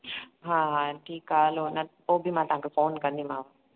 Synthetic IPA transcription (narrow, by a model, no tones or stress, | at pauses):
ɦãːɦãʈʰiːkaːloːnat̪oːbimaːt̪ãːŋkefoːnkɐnd̪imaːʋa